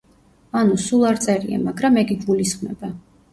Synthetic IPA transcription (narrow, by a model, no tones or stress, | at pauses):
anusulˠaɾt̪sʼɛɾia̰maɡɾamɛɡiɡɡulisχmɛ̰ba